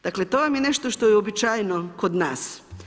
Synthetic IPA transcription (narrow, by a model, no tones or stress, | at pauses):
d̪aklet̪oːʋamjeneʃt̪oʃt̪ojeobit͡ʃaːjnokod̪naːs